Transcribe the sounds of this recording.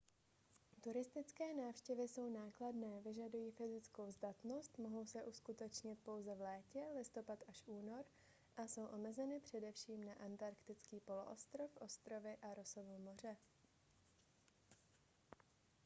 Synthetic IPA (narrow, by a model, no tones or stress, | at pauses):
t̪uɾɪst̪ɪt͡skɛːnaːfʃcɛvɪso̞wnaːkladnɛːvɪʒadujiːfɪzɪt͡sko̞wzdat̪no̞st̪moɦo̞wsɛʔuskut̪ɛt͡ʃɲɪt̪̚po̞wzɛvlɛːcɛlɪst̪o̞pat̪ʔaʃʔuːno̞ɾ | ʔaso̞wʔo̞mɛzɛnɪpr̝̥ɛdɛfʃiːmnaʔant̪aɾkt̪ɪt͡skiːpo̞loʔost̪ɾo̞fʔo̞st̪ɾo̞vɪʔaɾo̞sovoːmo̞r̝ɛ